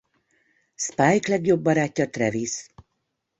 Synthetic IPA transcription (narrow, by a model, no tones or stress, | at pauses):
spaːjklɛɡjo̞bːɒɾaːcːɒt̪rɛvis